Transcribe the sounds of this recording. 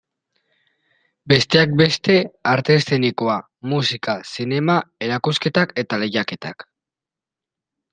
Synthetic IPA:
be̞st̪e̞ak̚be̞st̪e̞aɾt̪e̞st̪enikoa | musikasine̞mae̞ɾakuske̞t̪ake̞t̪ale̞jake̞t̪a̰k

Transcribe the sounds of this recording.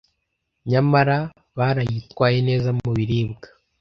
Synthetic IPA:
ɲamaɾa | βaːɾajitkwaːje̞ne̞ːzauβiɾiːbɡḁ

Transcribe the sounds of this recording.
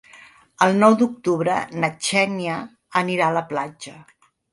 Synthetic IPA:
əlˠnɔwd̪uk̚t̪uβɾənət͡ʃɛnjəː | niɾaələplad͡ʒə

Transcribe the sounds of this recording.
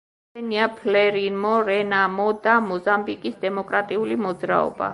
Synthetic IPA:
ɛniapʰlɛɾimɔɾɛnamɔd̪amɔzambikʼisd̪ɛmɔkʼɾat̪ʼiulimɔd̪zɾa̰ɔ̰ba̰

